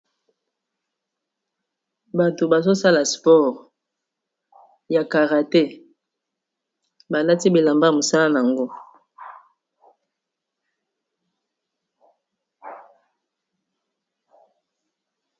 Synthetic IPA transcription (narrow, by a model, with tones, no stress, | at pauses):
ba˨to˨ba˨zo˦sa˦la˨spɔ˦ʁ | ja˨ka˨ʁa˨tɛ˦ | ba˨la˦ti˦be˨la˨mba˦˨mo˨sa˦la˦n˨a˨ŋɡo˦